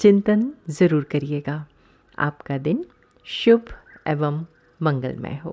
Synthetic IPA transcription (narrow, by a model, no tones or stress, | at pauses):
t͡ʃɪ̃nt̪ənzɐɾuːɾkɐɾieːɡaː | a̰ːpkad̪ɪn | ʃʊbʱɛːʋəmː | ɐ̃ŋɡə̰lmḛ̃ɦo̰ː